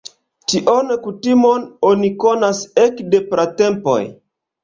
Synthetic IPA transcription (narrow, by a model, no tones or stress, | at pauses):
t͡ʃiʔonekutimononiko̞nasekdepɾate̞mpo̰j